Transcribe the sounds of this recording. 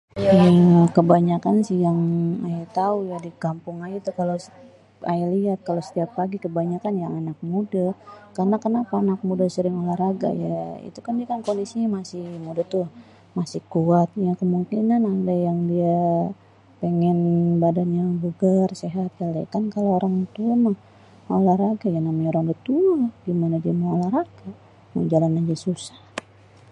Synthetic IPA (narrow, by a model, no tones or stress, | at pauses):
jakəbaɲakansijaŋajat̪aujadikampʊŋajit̪ukalo | ajaliat̪̚kalosə̥t̪iapːaɡikəbaɲakanjaŋanak̚mudakarnakənapaːnak̚mudasəɾɪŋolahɾaɡa̰jaḭt̪ukandiakankondisiɲamasɪhmudat̪ʊ | masɪhkuat̪̚jakəmuŋkinanadajaŋdia | peŋɛnbadanɲabuɡərseɦat̪̚jala̰kankalooɾaŋt̪uamah | olahraɡajanamajoɾaŋdat̪uaɡimanadiamaolaraɡ̥a | mə̰d͡ʒalanand͡ʒasusḁh